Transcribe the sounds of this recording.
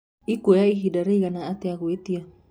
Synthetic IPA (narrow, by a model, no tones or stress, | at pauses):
ikujaiɦidaɾiɡanaat̪eakuet̪ia